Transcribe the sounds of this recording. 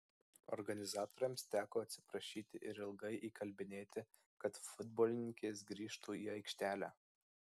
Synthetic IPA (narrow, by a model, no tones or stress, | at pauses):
ɔ̰ɾɡɐnʲɪzɑːt̪oːɾʲɛmst̪ʲæːkoːɐt̪ʲsʲɪ̥pɾɐʃʲiːt̪ʲɪʔɪɾɪlˠɡɐɪʔiːkɐlʲbʲɪnʲeːt̪ʲɪ | kɐt̪fʊd̪boːlʲɪnʲɪŋʲkʲeːs̬ɡɾʲiːʃt̪uːiːɐɪkʃʲt̪ʲæːlʲæ̰ː